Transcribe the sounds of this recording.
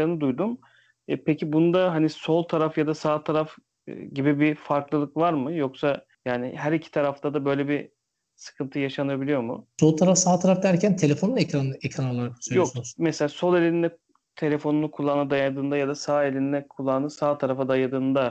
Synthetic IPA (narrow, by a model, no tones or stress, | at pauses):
ɾɯnɯd̪ujd̪um | ɛpʰecʰibunud̪aɦaniso̞lˠt̪ʰaɾafjad̪asaːt̪ʰaɾaf | ɟibibifaɾklˠɯlˠɯkvaɾmɯjo̞ksa | jaːniɦæɾicʰi̥t̪ʰaɾaft̪ʰad̪abø̞jlʲebi | sɯ̥kʰɯnt̪ʰɯjaʃanabilʲijo̞mʊ̰so̞lˠt̪ʰaɾafsaːt̪ʰaɾafd̪æɾcʰænt̪ʰe̞lʲefo̞nunecɾanɯecɾanolˠːaɾaksjokmeselʲaːso̞lˠelʲininɛ | t̪ʰe̞lʲe̞fo̞nunukʰulˠːanɯd̪ajad̪ɯːnd̪ajad̪asaːelʲininɛkʰulˠːanɯsaːt̪ʰaɾafad̪ajad̪ɯːnd̪a